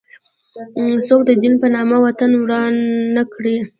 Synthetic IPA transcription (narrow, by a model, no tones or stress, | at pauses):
sok̚d̪əd̪inpənɑmawat̪anwɽɑnːakɽe